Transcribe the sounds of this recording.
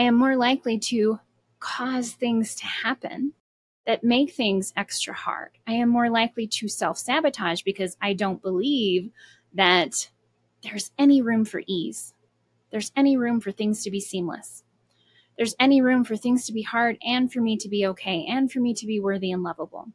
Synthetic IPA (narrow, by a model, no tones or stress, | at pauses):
aɪɨ̃mːɔɹlaɪkliɾɨ | kʰɔz̥θɪ̃ŋz̥tʰɨhæpɨ̰̃n | ðɨt̚meɪk̚θɪ̃ŋzɛkstɹ̥ɨ̰hɑ̰ɹd̥aɪɨ̃mːɔɹlaɪkliɾɨsɛlˠfsæbɨtʰaʒbɨkʰʌzaɪdõʊ̃nb̥əliv | ðɨt̪̚ | ðə˞zɛniɹʉ̃ɱfə̰˞ʔiz̥ | ðə˞zɛñiɹʉ̃ɱfə˞θɪ̃ŋz̥tʰɨbisĩmlə̰s | ðə˞zɛniɹʉ̃ɱfə˞θɪ̃ŋz̥tʰɨbihɑɹɾɨ̃nfə˞miɾɨbioʊkʰeɪʔɨ̃nfə˞miɾɨbiwɜ˞ðiɨ̃nlʌvəbl̩ˠ